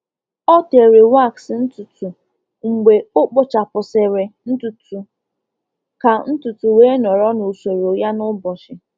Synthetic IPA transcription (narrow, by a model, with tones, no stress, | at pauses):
ɔ˦te˨ɾe˨wa˦˨ksn̩˦tu˨tu˨ | ŋ͡m̩˨ɡ͡be˨ʊ˦k͡pʊ˦t͡ʃa˨pʊ˨sɪ˨ɾɪ˨n̩˦tu˨tu˨ | ka˨n̩˦tu˨tu˨weː˦nɔ˨ɾɔ˦nʊ˨se˨ɾo˨ja˦nʊ˦bɔ˨ʃɪ˨